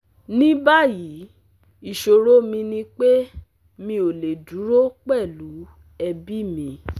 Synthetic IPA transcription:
nĩ˦ba˦˨ji˨˦ | i˦˨ʃo˧ɾo˦mĩ˧nĩ˧k͡pe˦ | mĩ˧o˨le˨du˨˦ɾo˦k͡pɛ˦˨lu˨˦ | ɛ˧bi˦mĩ˧

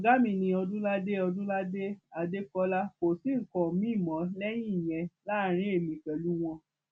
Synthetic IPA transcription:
ɡa˦mĩ˧nĩ˧ɔ˧dũ˦la˦de˦ɔ˧dũ˦la˦de˦a˨de˦kɔ˦la˦ko˨sĩ˦ŋ̩˨kɔ̃˨mĩ˦˨mɔ̃˨˦lɛ˦j̃ĩ˦i˨j̃ɛ̃˧la˦˨ɾ̃ĩ˦e˦˨mĩ˨kɛ˨lu˦w̃ɔ̃˧

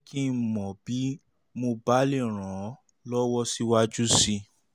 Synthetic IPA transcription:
kʰi˦˨mɔ̃˨bi˨˦ | mo˧ba˨˦le˦˨ɾ̃ã˨ | lɔ˦wɔ˦si˦wa˦d͡ʒu˦si˧

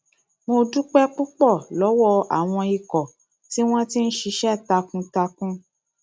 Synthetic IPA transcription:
mo˧du˦k͡pɛ˦k͡pu˦k͡pɔ˦˨lɔ˨˦wɔ˧a˨w̃ɔ̃˧i˨kɔ˨ | ti˦w̃ɔ̃˦ti˦n̩˦ʃi˧ʃɛ˦˨ta˧kũ˦ta˧kũ˦

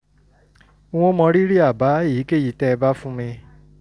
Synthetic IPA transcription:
w̃õ˦mɔ̃˧ɾi˦ɾi˦a˦˨ba˨˦˨ji˨˦ke˦˨ji˦˨tɛ˦˧ba˦fũ˦mĩ˧

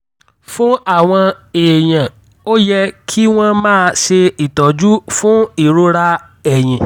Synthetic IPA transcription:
fũ˦a˦˨w̃ɔ̃˧eː˨j̃ã˨ | o˦jɛ˦kʰi˦w̃ɔ̃˦mãː˦˧ʃe˧i˨tɔ˨d͡ʒu˦fũ˦i˦˨ɾo˦ɾa˦ | ɛ˦˨j̃ĩ˨

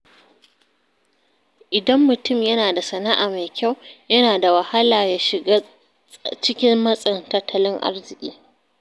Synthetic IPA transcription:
ʔɪ˨dɐ˦mːʊ˨tʊ˦˨mjɐ˦naː˨da˨sɐ˨na˦ʔaː˨ma˨jkʲʰa˦˨wjɐ˦naː˨da˨wɐ˨ha˦laː˨jaː˦ʃɪ˨ɡa˦ | t͡ʃɪ˦kʲɪ˦mːɐ˦sʼɪ˨ntɐ˦tʰːɐ˦lɪ˦ŋʔa̰˦rzɪ˨kʲʼḭː˦

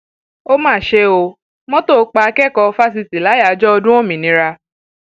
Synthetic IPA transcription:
o˦mãː˦˨ʃe˦o˧ | mɔ̃˦to˦˨˧k͡pa˧a˧kɛ˦˨kɔ˧fa˦s̬i˧ti˨la˨˦ja˨˦d͡ʒɔ˦ɔ˧dũ˦ɔ̃˦˨mĩ˨nĩ˨˦ɾa˧

